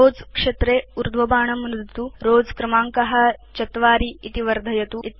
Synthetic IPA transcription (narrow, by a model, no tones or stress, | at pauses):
oːd͡zkʂɐt̪ɾeːuɾd̪ʱʋɐbaːɳɐmɾɨd̪ʱt̪uɾoːd͡zkɾɐmaːŋkɐɦɐ̆t͡ʃɐt̪ʋaːɾiit̪iʋɐɾd̪ʱɐjɐt̪uit̪